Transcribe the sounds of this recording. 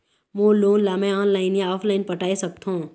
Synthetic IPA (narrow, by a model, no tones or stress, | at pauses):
mõːloːnlaːmẽaːnlaːɪnjãɔːpʰlaːɪnpɐʈaːesɐk̚t̪ɦõ